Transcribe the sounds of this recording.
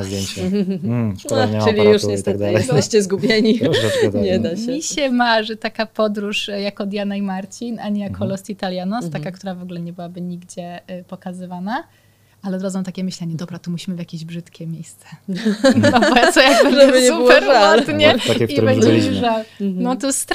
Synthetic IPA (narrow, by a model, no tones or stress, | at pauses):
zd̪ʲjeɲt͡ɕɛ | ɔaɲɨlʲijuʂɲɛst̪ɛɡtd̪ɨjɛsɛɕt͡ɕɛzɡubʲjeɲiɲɲɛd̪aɛiɕɛmaʐɛt̪akapɔd̪ɾuʂjakɔd̪janajimaɾt͡ɕinaɲijakʰɔlɔst̪it̪alʲjanɔst̪akakt̪uɾavɔɡulɛɲɛbɘwabɘɲiɡd͡ʑɛpɔkazɨvana | ʔalɛd̪ɾɔd̪zɔ̃w̃t̪akʲɛmɘɕlɛɲɛd̪ɔbɾat̪ɔmuɕimɘvʲjakʲeʑbʐɘt̪kʲɛmʲjejst̪sɛ̥ | ɔɔjaʐɛbɲɛupɛɾɔt̪ɲɛaibɛɲd͡ʑʐawnɔt̪ɔst̪